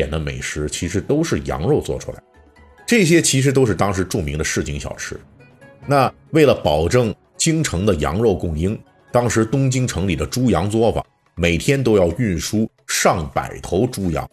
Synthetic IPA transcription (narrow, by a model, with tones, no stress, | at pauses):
ɛ̰˨˩nd̪ə˦mḛ˨˩ɪʂɻ̩˧˥t͡ɕʰi˧˥ʂ̬ɻ̩˧˥t̪o˥ʊʂɻ̩˥˩jɑ̰˧˥ŋɻo˥˧ʊt͡swɔ̰˥˩ʈ͡ʂʰṵ˥la̰˧˥ɪ | ʈ͡ʂɤ˥˩ɕ̬jɛ˥t͡ɕʰi˧˥ʂ̬ɻ̩˧˥t̪̬o˥ʊʂ̬ɻ̩˥˧t̪ɑ˥ŋʂ̬ɻ̩˧˥ʈ͡ʂu˥˩mi˧˥ŋd̪ə˧ʂɻ̩˥˩t͡ɕi˧˥ŋɕjɑ̰˨˩ʊʈ͡ʂʰɻ̩˥ | na˥˩ | we˥˩ɪlə˩pɑ˨˩ʊʈ͡ʂɤ˥˩ŋ | t͡ɕi˥ŋʈ͡ʂʰɤ˧˥ŋd̪ə˧jɑ̰˧˥ŋɻo˥˧ʊkʊ˥˩ŋi˥ŋ | t̪ɑ˥ŋʂɻ̩˧˥t̪ʊ˥ŋt͡ɕi˥ŋʈ͡ʂʰɤ˧˥ŋli˨˩d̪ə˦ʈ͡ʂu˥jɑ˧˥ŋt͡swɔ˥˩fa̰˨˩˦ | me˨˩ɪt̪ʰjɛ˥nt̪̬o˥ʊjɑ˥˧ʊy˥˩nʂu˥ | ʂɑ˥˩ŋpa̰˨˩ɪt̪ʰo˧˥ʊʈ͡ʂu˥jɑ̰˧˥ŋ